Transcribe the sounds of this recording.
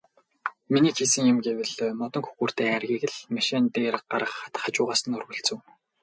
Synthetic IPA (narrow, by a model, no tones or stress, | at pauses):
miniːt͡ɕʰiːsɘ̆ŋjʊmɡewɘ̆ɮmɔt̪ɞ̆ŋxu̥xuːr̥t̪eːærɣʲiːɣɘ̆ɮmaʃiːnt̪eːrqaɾʁə̆χat̪χat͡ɕʊːʁaːsə̆nɵrɣɵ̆ɬt͡sɘ̆w